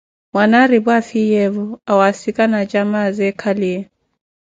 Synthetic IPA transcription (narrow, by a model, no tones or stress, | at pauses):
mwanaɾibwafijɛvɔawasikʼanad͡ʒamazɛkʰaliɛ